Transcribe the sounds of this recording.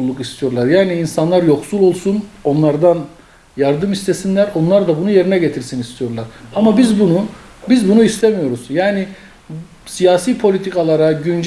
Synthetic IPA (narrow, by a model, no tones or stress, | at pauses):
lˠːukist̪ʰijo̞ɾlˠaɾjaːniːnsanlˠaɾjo̞ksulˠo̞lˠsuno̞nlˠaɾd̪an | jaɾd̪ɯmist̪ʰe̞sinlʲæɾo̞nlˠaɾd̪abunuje̞ɾinɛɟe̞t̪ʰiɾsinist̪ʰijo̞ɾlˠaɾamabizbunu | bizbunuist̪ʰemijo̞ɾuz̥jaːni | sijaːsiːpʰo̞lʲit̪ʰikalˠaɾaɟynd͡ʒ